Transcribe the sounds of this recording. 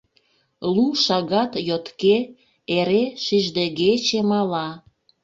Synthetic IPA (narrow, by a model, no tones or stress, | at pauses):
luʃɑɣɑt̪jot̪ke | eɾeʃiʒd̪eɣet͡ɕemɑlɑ